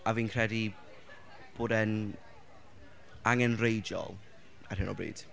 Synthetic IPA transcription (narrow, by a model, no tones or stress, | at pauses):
aviːnkʰrɛdi | b̥oːdɛn | aŋɛnrejd͡ʒɔ̰lˠ | ar̥hɪnɔ̰brḭːd̥